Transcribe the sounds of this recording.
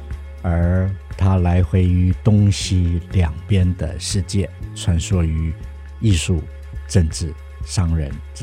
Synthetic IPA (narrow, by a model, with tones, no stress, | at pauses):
ə˧˥t̪ʰa˥la˧˥ɪxwe˧˥˩ɪy˧˥t̪ʊ˥ŋɕi˧˥ljɑ˨˩ŋpjɛ˥nd̪ə̰˨ʂɻ̩˥˧t͡ɕjɛ˥˩t͡sʰwa˧˥nʂwɔ˥y˧˥ | i˥˧ʂu˥˧ | ʈ͡ʂə˥˧ŋʈ͡ʂɻ̩˥˩ | ʂɑ˥ŋɻə̰˧˥n